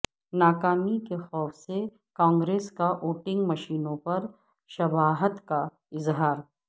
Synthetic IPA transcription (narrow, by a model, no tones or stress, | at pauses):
naːkaːmikexɔːfse | kãːŋɡɾeːskaʔoːʈɪ̃ŋɡmɐʃiːnõpɐɾ | ʃɐbaːɦət̪ka | ɪzɦaːɾ